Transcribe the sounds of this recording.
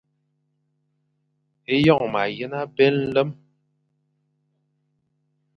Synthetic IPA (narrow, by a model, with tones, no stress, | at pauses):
e˦jɔ˦˨ŋma˨jə˦na˦bɛ˦ln̩˦lə˦m